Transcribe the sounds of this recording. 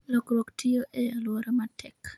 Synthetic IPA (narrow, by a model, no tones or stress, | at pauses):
lokɾoktʰɪoʔejalwɔɾɔmatʰɛk